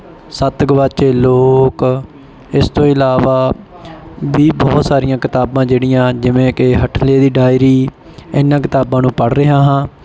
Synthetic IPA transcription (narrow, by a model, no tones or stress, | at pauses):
sət̪ɡʋat͡ʃeːloːk | ɪst̪õːɪlaːʋaː | biːbɔːt̪saːɾɪjãːkɪt̪aːbãːd͡ʒeːɽɪjãːd͡ʒɪʋẽːkeɦəʈʰleːd̪iːɖaːɪɾiː | ɪnːãːk̬ɪt̪aːbãːnũːpəɽɾəɦãːɦãː